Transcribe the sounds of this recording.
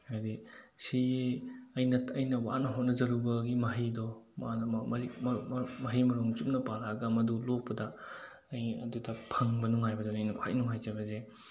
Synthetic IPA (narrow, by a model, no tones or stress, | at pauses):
adisieɐjnɐtʰɐjnɐwa̰nɐɦot̚nɐzɐɾubɐɡimɐɦijdɔmanmɐimmɐɦijmɐɾuŋt͡ʃum̚nɐpaɾaɡɐmɐdulok̚pːɐdɐː | jɐ̰dudɐpʰɐŋbɐnuŋajbɐdonɐjnɐkʰwa̰jnuŋɦajzɐbɐze